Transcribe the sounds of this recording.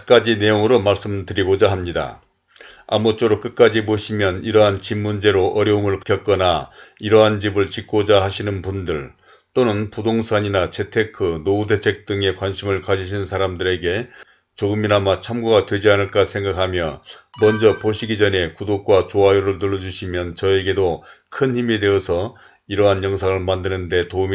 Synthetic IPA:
k͈ad͡ʑine̞joŋɯɾomaɭs͈ɯmtɯɾiɡod͡ʑaɦamɲida̰ | a̰mut͡ɕ͈oɾok͈ɯk͈ad͡ʑipoɕʰimjʌniɾʌɦant͡ɕimːund͡ʑe̞ɾoʔʌɾjʌumɯɭkjʌk͈ʌnaiɾʌɦant͡ɕibɯɭt͡ɕik͈od͡ʑaɦaɕʰinɯnpundɯɭ | t͈onɯnpudoŋsʰaɲinat͡ɕʰe̞tʰe̞kʰɯnoude̞t͡ɕʰe̞k̚t͈ɯŋe̞kwanɕʰimɯɭkaɕʰiɕʰinnsʰaɾamdɯɾe̞ɡe̞ | t͡ɕoɡɯminamat͡ɕʰamɡoɡadwe̞d͡ʑianɯɭk͈asʰe̞ŋɡakʰamjʌmʌnd͡ʑʌpoɕʰiɡid͡ʑʌne̞kudok̚k͈wat͡ɕoajoɾɯɭtɯɭːʌd͡ʑuɕʰimjʌnt͡ɕʌe̞ɡe̞dokʰɯnçimede̞ʌsʰʌ | iɾʌɦanjʌŋs̬ʰaŋɯɭmandɯnɯnde̞toum

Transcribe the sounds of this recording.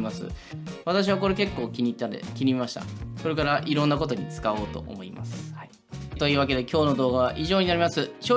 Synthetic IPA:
masɨ̰βat̪aɕ̬iβ̞ako̞ɾe̞ke̞kːo̞ːkʲiɲ̟it̪ːad̪ḛkʲiɲ̟imaɕi̥t̪a̰so̞ɾe̞kaɾaʔiɾõ̞nːako̞t̪o̞ɲ̟it͡sɨ̥kao̞ːt̪o̞̰ʔo̰mo̞ḭma̰sɨ̥ | t̪o̞iːβak̬e̞d̪e̞kʲo̞ːno̞d̪o̞ːɡaβaʔiʑo̞ːɲinaɾʲimasɨɕoː

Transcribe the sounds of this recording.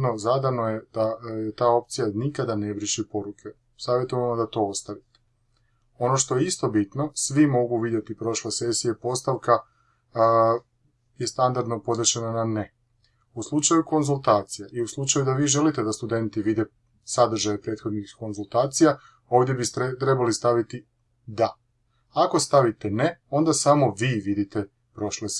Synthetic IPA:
nozad̪anoje̞d̪ajet̪aːo̞p̚t̪sijanikad̪anebɾiʃipo̞ɾukʰe̞ | saːʋje̞t̪uamod̪at̪o̞ost̪aʋit̪e̥ | o̞no̞ʃt̪o̞jeist̪o̞bit̪no̞sʋimo̞ɡuʋid̪je̞t̪ipɾo̞ʃlesesijepo̞st̪aʋka | jest̪and̪aɾd̪nopo̞d̪ɾet͡ʃenanane | uslˠut͡ʃajuko̞nzulˠt̪aːt̪sijaʔiuslˠut͡ʃajud̪aʋiːʒe̞lit̪e̞d̪ast̪ud̪e̞nt̪iʋid̪e̞ | sad̪r̩ʒajepɾe̞ːt̪xo̞d̪nixko̞nzulˠt̪aːt̪sija | o̞ːʋd̪je̞bit̪ɾe̞balist̪aʋit̪i | d̪a | ako̞st̪aʋit̪ene̞o̞nd̪asamo̞ʋiːʋid̪it̪e | pɾo̞ʃle

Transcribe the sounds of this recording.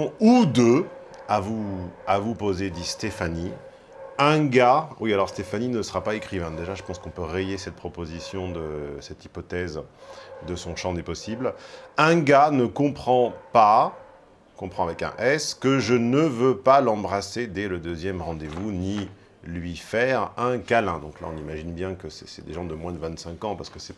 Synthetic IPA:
ud̪ø | avuavupozed̪ist̪efani | ɛ̃ɡawialɔʁst̪efaninəsəʁapaekχivɛ̃d̪eʒaʒəpɑ̃skɔ̃pøʁejesɛt̪̚pχɔpozisjɔ̃d̪əsɛt̪ipɔt̪ɛzd̪əsɔ̃ʃɑ̃d̪epɔsiblɛ̃ɡanəkɔ̃pχɑ̃pa | kɔ̃pχɑ̃avɛkɛ̰̃ʔɛskəʒənəvøpalɑ̃bʁased̪ɛləd̪øzjɛmʁɑ̃d̪evuni | lɥifɛʁɛ̃kalɛ̃d̪ɔ̃kla̰ɔ̃nimaʒinbjɛ̃kəsɛsɛ̰d̪ḛʒɑ̃d̪əmwɛ̃d̪əvɛ̃t̪sɛ̃kɑ̃paʁsə̥kəsɛ

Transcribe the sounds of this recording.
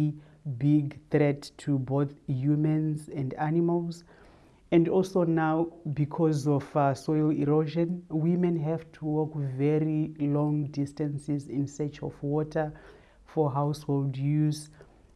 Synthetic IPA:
biɡθrɛttʰːuboθjumãnzɛ̃ndanimalz | ɛ̃ndɔlsonawbikʰɔzɔfsɔjaliɾoʒɔ̃nwimɛ̃nɦɛvtʰuwɔkvɛɾilɔ̃ŋdistãnsizĩnsɛt͡ʃɔfwɔtʰa | fɔɦawsholdjuz

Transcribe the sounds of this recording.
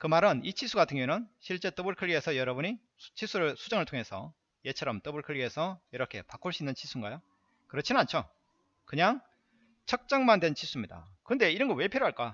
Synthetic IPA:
kɯmaɾɯnit͡ɕʰisʰuɡatʰɯŋjoenɯnɕʰiɭt͡ɕ͈e̞t͈ʌbɯɭkʰɯɭːie̞sʰʌjʌɾʌbuɲi | t͡ɕʰisʰuɾɯsʰud͡ʑʌŋɯɭtʰoŋe̞sʰʌ̰ | je̞t͡ɕʰʌɾʌmt͈ʌbɯɭkʰɯɭiɦe̞sʰʌjʌɾʌkʰe̞̰pak͈ʰuɭs͈uinːɯnt͡ɕʰisʰuiŋɡajo | kɯɾʌt͡ɕʰinɯnant͡ɕʰo | kɯɲaŋ | t͡ɕʰʌk̚t͡ɕ͈aŋmandwe̞nt͡ɕʰisʰumɲida̰kɯʌnde̞iɾʌnɡʌwe̞pʰiɾoɦaɭk͈a

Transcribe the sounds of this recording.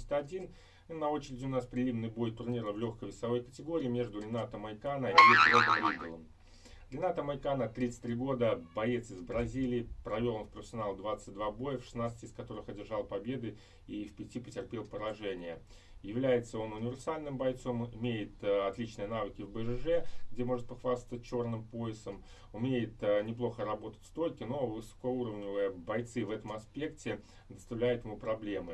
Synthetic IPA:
sʲt̪ɐdʲin | nːɐo̞t͡ɕɪɾʲɪdʲɪʊnaspɾʲɪlʲimnɨjbo̞jt̪ʊrnʲiɾəvlʲo̞xkəjvʲɪsɐvo̞jkətʲɪɡo̞ɾʲɪːmʲe̞ʐd̪ʊɾʲɪnat̪əmɐjkanəiit̪ɾʲiɡəlˠəm | ɾʲɪnat̪əmɐjkanət̪ɾʲit̪sɨ̥tʲt̪ʲɾʲiɡo̞d̪əbɐjet̪sɨzbɾɐzʲilʲɪːpɾɐvʲolˠonfpɾəfʲɪsʲɐnalˠd̪vat̪sɨt̚ʲd̪vabo̞jəfʂɨ̥snat̪stʲɪskɐt̪o̞ɾɨxɐdʲɪrʐalˠpɐbʲe̞d̪ɨ | ifpʲɪtʲipətʲɪrpʲelˠpəɾɐʐɛnʲɪjə | jɪvlʲæjɪt̪səo̞nʊnʲɪvʲɪrsalʲnɨmbɐjt̪so̞mɪmʲejɪt̪ɐt̪lʲit͡ɕnɨjənavɨkʲɪvbɨʐɨʐɛɡdʲemo̞ʐɨt̪̚pɐxvast̪ət̚ʲt͡ɕo̞rnɨmpo̞ɪsəm | ʊmʲejɪt̪nʲɪplˠo̞xəɾɐbo̞t̪ə̥tʲst̪o̞jʲkʲɪno̞vɨsɐ̥kouɾəvnʲɪvɨjəbɐjt̪sɨvɛt̪əmɐspʲe̞ktʲɪ | d̪əst̪ɐvlʲæjʊt̪jɪmupɾɐblʲe̞mɨ

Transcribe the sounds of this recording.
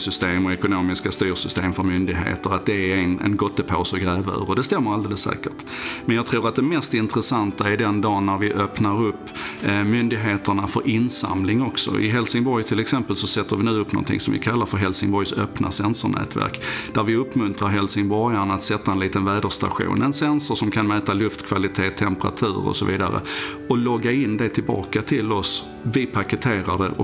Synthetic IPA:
sʏst̪eːmɔɛkʊnoːmɪskast̪yːɾsʏst̪eːmfœɾmʏnd̪ɪɡɦḛːt̪əɾat̪̚d̪ɛɛnɛ̰nɡɔt̪ːəpʰoːsɔɡɾɛːvaœ̰ːɾɔd̪ɛst̪ɛmːəɾald̪eːləsːɛ̰ːkəʈ | mɛnjɑːɡt̪ʰɾuːɾat̪̚d̪ɛmɛst̪ɪnt̪ɾəsant̪aɪd̪ɛnd̪ɑːnːæɾvɪʔœpnaɾɵpːmʏnd̪ɪɡɦeːt̪əɳafœɾɪnsa̰mlɪŋɔksɔ̰ʔɪ̰ɦɛlsɪŋbɔɾjt̪ʰɪlɛksɛmpəlsɔsɛt̪ːəɾvɪnʉ̟ːɵpːnɔ̰nt̪ʰɪ̰ŋsɔmvɪ̰kʰalːaɾfœɾɦɛlsɪŋbɔjsœpna̰sɛnsʊɳɛ̰ːt̪ʰvæ̰ɾkd̪̥æɾvɪɵpːmɵnt̪ɾaɾɦɛlsɪŋbɔɾjaɳat̪sɛt̪ːaɛnliːt̪ənvæːd̪əʂt̪a̰ɧṵːnɛnsɛnsʊʂɔmkʰanmɛːt̪alɵft̪kʰvalɪt̪ʰeːt̪ʰːɛmpəɾa̰t̪ʰʉ̟ːɾɔ̰sɔvḭːd̪a̰ɾə̰ | ɔlɔɡːaɪnːd̪ɛt̪ʰɪlbɑ̰ːkat̪ʰɪlɔs | vɪpʰakət̪ʰeːɾad̪ə̰ʔɔ̰

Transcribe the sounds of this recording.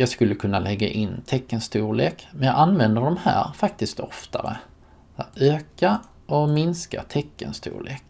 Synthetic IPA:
jɑːskɵlːəkʰɵnːalɛɡːa̰ʔɪnːt̪ʰɛkːənst̪uːɭeːkmɛnjɑːʔanvɛnd̪əɖɔmhæ̰ːɾfak̚t̪ɪst̪ɔft̪ʰa̰ɾə̰ | øːka | ʔɔmɪnska̰t̪ʰɛkːə̰nst̪ṵːɭḛːk

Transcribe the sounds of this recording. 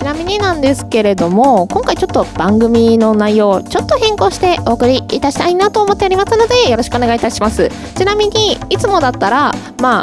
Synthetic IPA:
t͡ɕinamʲiɲ̟inãnd̪e̞sɨ̥ke̞ɾe̞d̪o̞mo̞kõ̞ŋkait͡ɕot̪ːo̞b̥ãŋɡɯ̟mʲino̞naijo̞ːt͡ɕo̞t̪ːo̞hẽ̞ŋko̞ːɕi̥t̪e̞ʔo̞ːkɯ̟ɾʲiit̪aɕi̥t̪ainat̪o̞ːmo̞t̪ːeaɾʲimasɨno̞d̪e̞jo̞ɾo̞ɕi̥kɯone̞ɡait̪aɕimasɨ̰ | t͡ɕinamʲiɲ̟iːt͡sɨmo̞d̪at̪ːaɾa | maː

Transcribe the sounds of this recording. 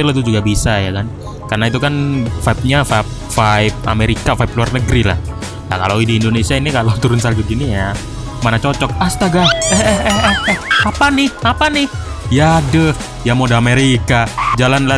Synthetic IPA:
ilot̪ud͡ʒuɡabisajakan | karənait̪̬ukanfaip̚ɲafap̚ | faɪp̚a̰meɾikafaɪp̚luarnəɡɾila̰h | la̰kalowidiːndonesiainikalawt̪uɾʊnsalɡuɡinija | manat͡ʃot͡ʃɔk̚ast̪aɡaɛhɛhɛhɛhɛapanɪhapanɪh | jadəh | jamodaːmeɾikad͡ʒalanla

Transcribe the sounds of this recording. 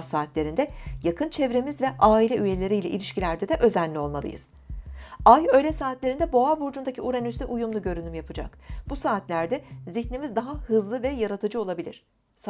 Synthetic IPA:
saːt̪ʰlʲe̞ɾind̪ɛjakʰɯnt͡ʃʰɛvɾe̞mizvɛʔaːilʲɛʔyje̞lʲe̞ɾijlʲɛʔḭlʲiʃcilʲæɾd̪ɛd̪ɛʔø̞zænʲːio̞lˠmalˠɯ̰jɯ̰z̥ | ajø̞jlʲɛsaːt̪lʲe̞ɾind̪ɛbo̞abuɾd͡ʒund̪acʰiuɾanysɛʔujumlˠuɟø̞ɾynymjapʰɯd͡ʒa̰kb̥usaːt̪lʲæɾd̪ɛziçnʲemizd̪aɦahɯzlˠɯvɛjaɾat̪ʰɯd͡ʒɯo̞lˠabilʲḭɾ̝̥ | s

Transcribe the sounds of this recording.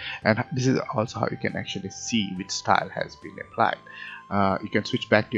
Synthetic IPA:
ʔɛ̃nhd̪ɪsɪzɔlsoha̰ʊjukɛ̰̃nɛ̰k̚t͡ʃuəlisiwɪt͡ʃstaɪlhɛ̰zbḭ̃nɨ̰̃pʰla̰ɪd̥ | jukɛ̃nswɪt͡ʃbɛk̚tu

